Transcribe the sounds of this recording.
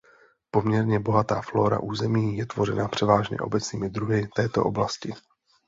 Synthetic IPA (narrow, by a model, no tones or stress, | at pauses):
po̞mɲɛɾɲɛbo̞ɦat̪aːflo̞ːɾa̰ʔuːzɛmiːjɛt̪vo̞ɾɛnapr̝̥ɛvaːʒɲɛ̰ʔo̞̰bɛt͡sniːmɪd̪ɾuɦɪt̪ɛːt̪o̞̰ʔo̞̰blascɪ